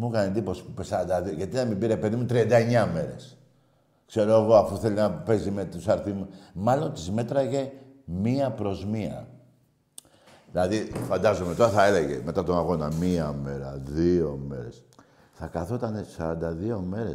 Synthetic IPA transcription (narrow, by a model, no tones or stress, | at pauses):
mukɐnend̪ipo̞si̥pupesɐɾɐnd̪ɐðioʝɐt̪inɐmibiɾepe̞ðimut̪ɾiɐnd̪ɐe̞ɲɐme̞ɾe̞̰s | kse̞ɾo̞eɣo̞ɐfuθe̞linɐpe̞zimet̪usɐɾθimumɐlo̞nt̪izme̞t̪ɾɐʝe̞ | miɐpɾo̞zmiɐ̰ | ðilɐðifɐnd̪ɐzome̞t̪o̞ɾɐθɐe̞leʝḛme̞t̪ɐt̪o̞naɣo̞nɐ̰miɐme̞ɾɐðio̞me̞ɾes | θɐkɐθot̪ɐnesɐɾɐnd̪ɐðio̞me̞ɾe